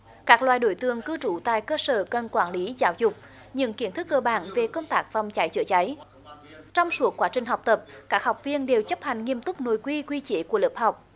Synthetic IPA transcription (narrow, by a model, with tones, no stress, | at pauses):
kaː˦˥k̚lwaː˨jɗo˧˩jt̪ɨ˨˩əŋkɨ˧t͡ɕu˧˩t̪a̰ː˧˨jkəː˧səː˧˩kə˨˩nkwaː˧˩nli˨˦zaː˨˦wzʊ˨˩k͡p̚ | ɲɨ̰˧˥ŋki˧˩˥ənt̪ʰɨ˦˥k̚ːəː˧ɓa̰ː˧˩nve˨˩kə˧wŋ͡mt̪aː˦˥k̚vɔ˨˩wŋ͡mt͡ɕa˨˦jt͡ɕɨ̰˧˩ət͡ɕa˨˦j | t͡ɕɔ˧wŋ͡msu˦˥əkːwaː˨˦t͡ɕï˨˩ŋ̟ɦɔ˨˩wk͡p̚t̪ə˨˩p̚kaː˦˥k̚hɔ˨˩wk͡p̚vi˧ənɗe˨˩wt͡ɕə˦˥p̚ha˨˩jŋ̟ŋi˧əmt̪ʊ˦˥k͡p̚no˨jkwi˧kwi˧t͡ɕe˧˨˦ku˧˩ələ˨˩p̚ha˨˩wk͡p̚